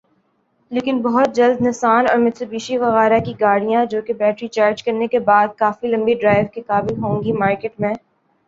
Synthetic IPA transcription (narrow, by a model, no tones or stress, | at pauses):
leːkɪnbɐɦʊt̪̚d͡ʒɐld̪nɪsaːnɔːɾmɪt̪ʰəbiːʃiʋɐɣɛːɾakiɡaːɽijãd͡ʒoːkebɛːʈɾit͡ʃaːɾd͡ʒkɐɾnekebaːd̪̚kaːfilɐ̃mbiɖɾaːɪʋkekaːbɪlɦõːŋɡimaːɾkeːʈmɛ̃ː